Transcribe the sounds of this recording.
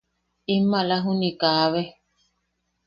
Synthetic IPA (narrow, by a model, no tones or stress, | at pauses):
imːalaɦunikaːβe